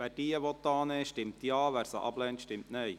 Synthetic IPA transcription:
ʋæːd̥iːəʋɔt̪ːɑːnɛʃtɪmt̪jɑːʋæːɾsə̰ʔɑ̰b̥lɛːnt̪ʃtɪmtnœj

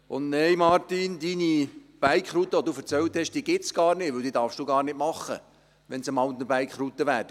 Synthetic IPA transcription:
ʊnnɛjmɑɾt̪ind̪inib̥æjkχɾut̪ːəʋod̪uːfəɾt͡sɛlt̪hɛʃd̥iːəɡɪtsɡ̥ɑːɾnɪvʋɵwd̪iːd̪ɑɾfʃd̥uːɡɑːɾnɪtmɑχːə̰ | ʋɛnsəmɑlt̪nəbæjkχɾut̪ːəʋæːɾ

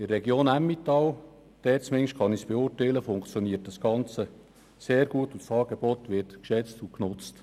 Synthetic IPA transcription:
ɪrːɛɡjoːnæmːit̪ɑl | d̪̥ɛːt͡smɪŋʃkɑnisb̥eʊːrtɛɪləfʊŋkt͡sjoniət̚d̥ɑsɡ̥ɑnt͡sə | seːɾɡ̥uətusɑːɡ̥eb̥ɔt̪ʋɪrtkʃɛt͡stuknʊt͡st

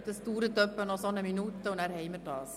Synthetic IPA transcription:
d̥əstuːɾət̪œpːənɔsɔnəminut̪əʊnɛɾhɛɪmədɑːs

